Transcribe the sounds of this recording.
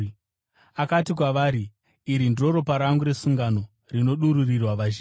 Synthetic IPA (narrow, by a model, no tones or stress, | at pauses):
akatik̬waʋaːɾiː | ɾindro̞ɾo̞paɾaŋɡuɾe̞suŋɡano̞ | rino̞ɗuɾurirwaʋaʒː